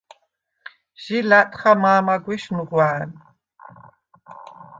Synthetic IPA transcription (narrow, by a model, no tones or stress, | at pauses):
ʒ̥ilat̪ʰʼχamaːmaɡʷiʃnuʁwaːn